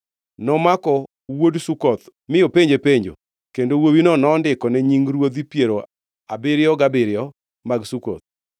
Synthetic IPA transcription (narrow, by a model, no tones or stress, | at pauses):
nɔmakɔ | wodsukɔt̪mɪjopeɲd͡ʒepeɲd͡ʒo̰ | kendowowinɔnɔːndɪkɔnɛɲiŋɾwod̪ipjeɾo | abɪɾɪjɔɡabɪɾɪɔ | maɡsukɔ̰t̪̚